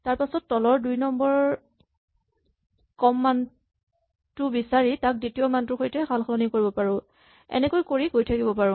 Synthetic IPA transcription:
taɹpasɔtːɔlɔɹdujnɔmbɔɹ | kɔmːan | tʊbisaɹitak̚ditiɔmantʊxojtɛxʰalxʰɔlɔnikoɹibɔpaɹʊ̃ | ɛ̰nɛkojkoɹikojtʰakibɔpaɹʊ̃

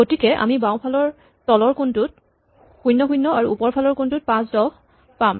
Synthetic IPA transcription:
ɡotikɛʔa̰mibaʊ̃pʰalɔɹ | tɔlɔɹkuntut̚ | xujnːɔxujnːɔaɹuupɔɹpʰalɔɹkuntut̚pãsdɔ | pam

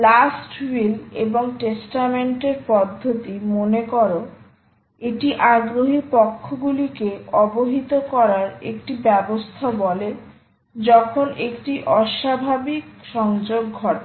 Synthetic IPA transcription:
lasʈwilḛboŋʈesʈameɳʈeɾpɔd̪ʱːot̪imonekɔɾo | eʈiʔaɡɾoɦipɔkʰːoɡulikeɔboɦit̪okɔɾaɾḛkʈibɛbost̪ʰabɔle | d͡ʑɔkʰonekʈiʔɔʃabʱabikʃɔŋd͡ʑoɡːʱɔʈa

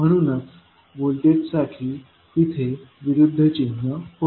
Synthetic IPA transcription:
m̤əɽ̃unat͡s | bolʈ̪etsaʈʰiː | it̪ʰeʋiɾud̪ʱːət͡ɕinːəho

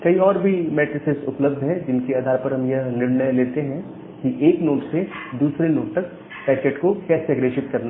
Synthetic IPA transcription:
kɐiɔːɾbʱimɛːʈɾɪsɪsʊpləb̚d̪ʱɦɛ̃d͡ʒɪnkeaːd̪ʱaːɾpɐɾɦɐmjɐɦnɪɾɳəjleːt̪eɦɛ̃ | kiʔeːknoːʈsed̪uːsɾenoːʈ̚t̪ɐk̚ | pɛːt͡ʃeʈkokɛːseɐɡɾeːʃɪt̪kɐɾna

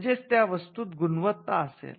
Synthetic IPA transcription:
d͡ʑet͡st̪jaʋəst̪uːt̪ɡunʋət̪ːaəsḛl

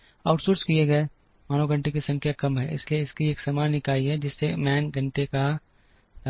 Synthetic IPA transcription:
aːʊʈsoːɾskieɡɐe | maːnoɡɐ̃ɳʈek̬isɐ̃ŋkʰjakɐmɦɛ̰ʔɪ̰slieɪskieːksɐmaːnnɪkaːiɦɛd͡ʒɪsːemɛːnɡʱɐ̃ɳʈeka

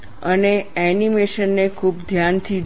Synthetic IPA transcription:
əneɛnimeʃənːekʰub̚d̪ʱjant̪ʰi

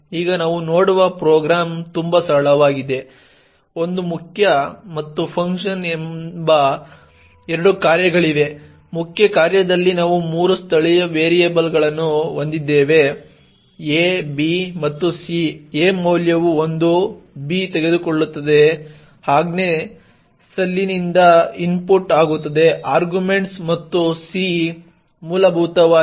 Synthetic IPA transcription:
iːɡɐnaːʋunoːɽuʋɐpɾoːɡɾaːmt̪umbɐsɐɭɐʋaːɡid̪e̞ | o̞nd̪umukʰjɐmɐt̪ːupʰɐŋkʂɐnembɐ | ɛɾɐɽukaːɾjɐɡɐɭiʋe̞ | mukʰjɐkaːɾjɐd̪ɐlːinaːʋumuːɾust̪ʰɐɭijɐʋeːɾijeːbɐlɡɐɭɐnːuond̪id̪ːeːʋe̞ | eːbimɐt̪ːusieːmɐːljɐʋuond̪ubiːt̪eɡe̞d̪uko̞ɭːut̪ːɐd̪e̞ | haːɡneː | sɐlːinind̪ɐinpuɾʈaːɡut̪ːɐd̪e̞aːɾɡjume̞ɳʈsmɐt̪ːusi | muːlɐbʱuːt̪ɐʋaː

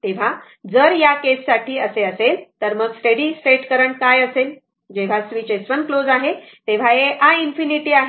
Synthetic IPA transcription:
t̪eʋ̤a | d͡zəɾjakesːaʈʰiːəseəselt̪əɾməɡsʈeɽisʈeʈkəɾəɳkajəsel | d͡ʑeʋ̤asʋit͡ɕesʋənklod͡zaɦet̪eʋ̤aeʔainfiniʈiaɦ

